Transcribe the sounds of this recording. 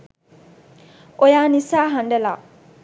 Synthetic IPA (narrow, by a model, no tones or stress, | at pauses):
ojanisaɦãndɛla